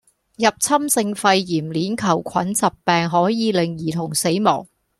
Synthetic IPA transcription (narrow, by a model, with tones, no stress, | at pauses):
jɐ˨p̚t͡sʰɐ˥msɪ˧ŋfɐ˧jːiː˨˩mliː˨˥nkʰɐ˨˩wkʷʰɐ̰˨˥nt͡sɐ˨pːɛː˨˧ŋɦɔː˨˥jiː˨˧lɪ˨ŋjiː˨˩t̪ʰʊ˨˩ŋse˨˥jmɔ̰ː˨˩ŋ